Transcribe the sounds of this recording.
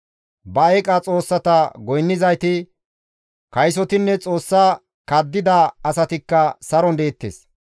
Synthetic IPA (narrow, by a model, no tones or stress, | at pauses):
bɐɐkʼɐt͡sʼo̞ːsːɐt̪ɐɡɔjnːɪzɐjt̪ɪ | kɐjsɔt̪ɪnːɛt͡sʼo̞ːsːaː | kɐd̪ːɪd̪ɐɐsɐt̪ɪkːɐsɐɾɔnd̪e̞ːt̪ːḛːs